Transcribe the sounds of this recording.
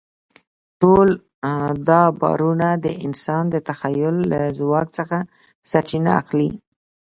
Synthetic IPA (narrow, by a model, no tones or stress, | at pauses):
ʈol | d̪ɑbɑ̰ɾunad̪əʔɪnsɑnd̪ət̪axajʊlːa̰zwɑk̚t͡səxa | sat͡ʃina̰a̰xli